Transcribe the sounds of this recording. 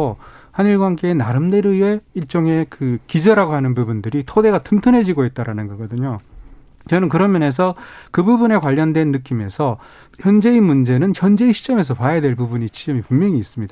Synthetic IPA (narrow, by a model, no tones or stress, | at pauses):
ohaniɭɡwanɡeːnaɾɯmdeɾɯe̞iɭt͡ɕ͈oŋe̞kɯkid͡ʑʌɾaɡoɦanɯnpubundɯɾitʰode̞ɡatʰɯmtʰɯnɦe̞d͡ʑiɡoit̚t͈aɾanɯnɡʌɡʌdɯɲo | t͡ɕʌnɯnk̬ɯɾʌmjʌne̞s̬ʰʌkɯbubune̞kwaʎːʌndwe̞nːɯk͈ime̞sʰʌ | çjʌnd͡ʑe̞imund͡ʑe̞nɯnçjʌnd͡ʑe̞iɕʰi̥t͡ɕ͈ʌme̞sʰʌpajadwe̞ɭpubuɲit͡ɕid͡ʑʌmipummjʌŋiːs͈ɯmɲid̥a